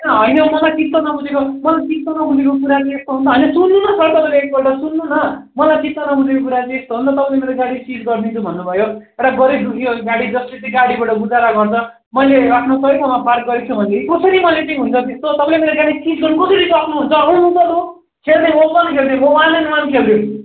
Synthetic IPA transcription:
nʌɦʌjnʌmʌlajt͡sit̪ːʌnʌbʱud͡zekomʌlajt͡sit̪ːonʌbʱunekok̬uɾat͡seest̪oɦund̪ʌɦʌjnʌsunːunʌsʰʌɾt̪ʌpãleek̚pʌʈasunːunʌ | mʌlajt͡sit̪ːʌnʌbʱud͡zekok̬uɾat͡seest̪oɦũnd̪ʌt̪ʌpãlemeɾoɡaɽisid͡zɡʌrd̪int͡sʰubʱʌnːubʱʌjoewʈaɡʌɾed̪ukʰjoɡaɽid͡zʌslet̪ʌɡaɽibaʈʌbud͡zaɾaɡʌrt͡sʰʌ | mʌjlerakʰnosʌisʰʌmapʰark̚ɡʌɾit͡sʰubʱʌnleikosʰʌɾimʌleʈiɦunt͡sʰʌt̪est̪ot̪ʌpãlemeɾoɡaɽisid͡zɡʌɾnkosʌɾikʌkʰnuɦunt͡sʌʌɽ̃ũɦunt͡sʌt̪o | kʰernemolmankʰeld̪emowalenmankʰeld̪e

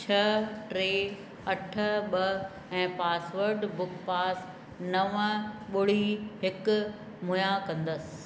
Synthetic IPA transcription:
t͡ɕʰɐʈɾeː | ɐʈʰə̆ɓɐ | ɛ̃ːpaːsʋəɾɖbʊkpaːs | nɐʋəɓʊɽiɦɪkʊ | mʊjakɐ̃nd̪əsɪ̥̆

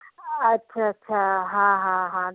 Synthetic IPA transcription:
ɐtːɕʰaɐtːɕʰaɦãɦãɦã

